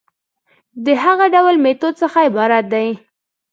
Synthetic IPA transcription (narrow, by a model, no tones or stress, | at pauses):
d̪əɦaɣaɖawlmet̪od̪̚səxaɪbɑɾat̪̚d̪aj